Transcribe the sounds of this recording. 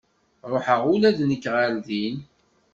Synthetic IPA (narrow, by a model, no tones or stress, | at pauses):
ɾˤoħəʁʊlæðnəkːʁalðin